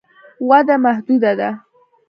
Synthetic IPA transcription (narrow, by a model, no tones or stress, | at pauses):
wad̪amahd̪ʊd̪ad̪a